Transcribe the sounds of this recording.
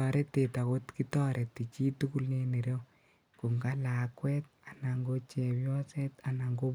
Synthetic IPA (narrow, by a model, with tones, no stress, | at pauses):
ɔ˨ɾe˦te˨ta˨ko˦tki˦tɔ˦ɾʔe˨tːi˨t͡ʃi˦tuku˦lnene˨ɾjo˦ | ku˨ŋɡa˦la˨kwɛ˦t̚ | a˨na˨ŋɡo˦t͡ʃɛ˨bjɔ˦sɛ˦t̪a˨na˨ŋɡo˦